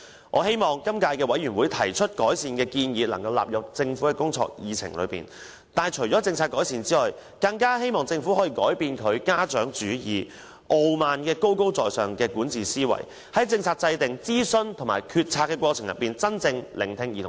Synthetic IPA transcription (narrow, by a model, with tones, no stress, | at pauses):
ʔɔː˨˧he˥jmɔː˨ŋkɐ˥mkaː˧jkɛː˧wɐ˨˥jyː˨˩nwuː˨˧jt̪ʰɐ˨˩jt͡ʃʰɵ˥t̚kɔː˨˥jsiː˨˧nkɛː˧kiː˧njiː˨˧lɐ̰˨˩ŋkɐ˧wla̰ː˨p̚jɐ˨˩k̚t͡sɪ˧ŋfuː˨˥kɛ˧kʊ˥ŋt͡sʰɔ̰ː˧k̚jiː˨˧t͡sʰɪ̰˨˩ŋlɵ̰˨˧ɥpḭː˨˩n | t̪aː˨˩jt͡ʃʰɵ˨˩ɥt͡sɔ˨˥t͡sɪ˧ŋt͡sʰaː˧t̚kɔː˨˥jsiː˨nt͡siː˥lɔ˨j | kɐ˧ŋkaː˥he˥jmɔː˨ŋt͡sɪ˧ŋfu˨˥hɔː˨˥jiː˨˧kɔː˨˥jpiː˧nkʰɵ˨˧ɥkaː˥t͡ʃœː˨˥ŋt͡ʃyː˨˥jiː˨˩ | ʔo˧wmaː˨nkɛː˧ko˥wko˥wt͡sɔː˨jsœː˨ŋkɛː˧kuː˨˥nt͡siː˨˩siː˥wɐ̰˨˩j | hɐ˨˥jt͡sɪ˧ŋt͡sʰaː˧˩t̚t͡sɐ˧jt̪ɪ˨ŋt͡siː˥sɵ˥nt̪ʰʊ˨˩ŋmaː˨˩jkʰyː˧t̚t͡sʰaː˧kːɛː˧kwɔː˧t͡sʰɪ˨˩ŋjɐ̰˨˩p̚ːiː˨nt͡sɐ˥nt͡sɪ˧ŋlɪ˨˩ŋt̪ʰɪ˧ŋjiː˨˩tʰʊ˨˩